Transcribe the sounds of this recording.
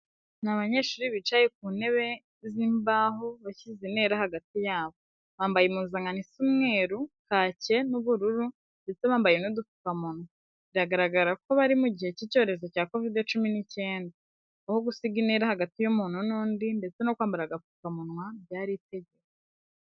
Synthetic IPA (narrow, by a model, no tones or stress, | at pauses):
naβaɲe̞ʃuːɾiβit͡ʃajek̚uːne̞βe̞ | ziːmbaːɦoβaçizine̞ːɾahaɡatijaːβo̞ | βaːmbajemuzaŋɡanisumŋe̞ːɾukaːce̞nuβuɾuɾu | nde̞t͡se̞βaːmbajenudufu̥kamunwa | βiɾaɡaɾaɡaɾako̞βaɾimuɟihe̞cico̞ːɾe̞zo̞caːko̞vidjot͡ʃuminice̞ːndaː | ho̞ɡusiɡine̞ɾahaɡatijumuːn̥hunuːndinde̞t͡se̞no̞kwaːmbaɾaɡafu̥kamunŋwabjaːɾite̞ɟe̞ke